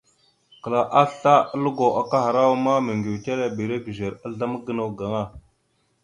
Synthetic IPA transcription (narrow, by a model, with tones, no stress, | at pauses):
kə˨la˨ʔa˦ɬa˦a˦lu˦ɡo˨a˨ka˦ɦa˨ɾa˦wa˦ma˦mə˨ŋɡi˨wte˦la˨bi˨ɾe˦ɡə˨ʒe˨ɾa˦ɮa˦mə˦ɡə˦na˨wɡa˨ŋa˦˨